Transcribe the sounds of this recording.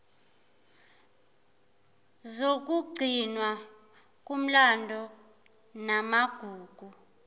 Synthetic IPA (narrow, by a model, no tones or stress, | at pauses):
zok̬ʼuɡ͡ǀʱinwa | k̬ʼum̩landʱɔ | namaɡ̥ʱuːɡ̥ʱu